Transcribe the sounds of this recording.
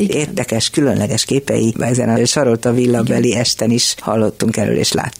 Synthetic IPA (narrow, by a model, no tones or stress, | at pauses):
eːrd̪ɛkɛʃkylø̞nlʔɛɡɛʃkeːpɛ̰jḭɛzɛ̰nɒʃɒɾolt̪ɒvilːɒbɛliɛʃt̪ɛniʃhɒlːo̞t̪ːuŋkɛɾø̰ːlḛːʃla̰ːt̪ːu